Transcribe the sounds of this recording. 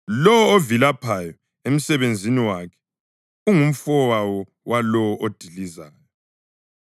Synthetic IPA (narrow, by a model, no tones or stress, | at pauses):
lɔwɔovilapʰajɔ | em̩sɛβend͡zʱiniwakʰɛ̥ | uŋum̩fɔwawɔ | wʔalɔwɔʔod̥ʱilizaːjɔ